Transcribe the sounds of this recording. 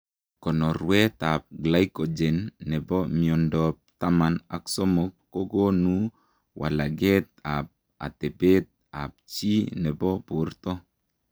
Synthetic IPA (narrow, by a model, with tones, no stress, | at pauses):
kɔ˨nɔ˨ɾwɛ˦t̪a˨p̚ɡla˦jko˨d͡ʒɛ˨nːɛ˨bɔ˦miɔ˨ndɔ˨p̚t̪a˦ma˨na̰˨ksɔ˦mɔ˨kːo˦ɡo˦nu˦ | wʔa̰˨la˨ɡɛ˦t̪a˨p̚ | a̰˨t̪ɛ˨be˦t̪̚a̰˨p̚t͡ʃi˦nɛ˨bɔ˦po˨ɾt̪ɔ˦